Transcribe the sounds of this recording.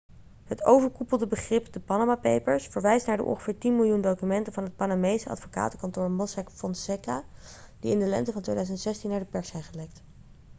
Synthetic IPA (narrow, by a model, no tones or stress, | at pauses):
ɦətʰowvəɹkupəlˠdəbəχrɪpdəpɑnamapḛjpəɹsfəɹʋɛjstnaːɹdə̰ʔɔ̰ŋχəv̥ɪːɹtinmɪlˠjundowkymɛntəvɑnɦət̚panamejsəɑ̰tfoka̰ːtəkɑntʊːɹmɔsakfɔnsɛkad̥iɪndəlɛ̰ntəvɑntʋḛjdœɥzəntsɛstinːaːɹdəpɛɹsɛjnχəlɛkt